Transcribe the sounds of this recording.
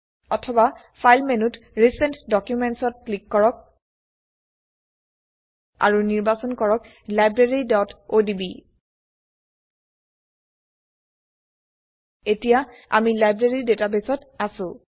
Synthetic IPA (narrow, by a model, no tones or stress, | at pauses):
ɔtʰɔba | fʰajlmenutɹisɛntdɔkjumɛntsɔt̚klikːɔɹɔk̚ | a̰ɹuniɹbasɔnkɔɹɔk | lajbɹeɹidɔtodibi | etijaa̰milajbɹeɹidetabesɔtasʊ̃